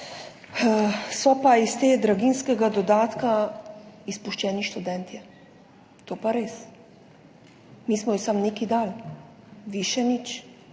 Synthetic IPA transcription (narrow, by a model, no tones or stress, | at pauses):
sɔpaist̪eːd̪ɾaɡinskɛɡad̪ɔd̪aːt̪ka | ispuʃt͡ʃɛːniʃt̪ud̪ɛnt̪ɛ | t̪oːpaɾeːs | miːsmɔjisamnekid̪aːl | ʋiʃɛnit͡ʃ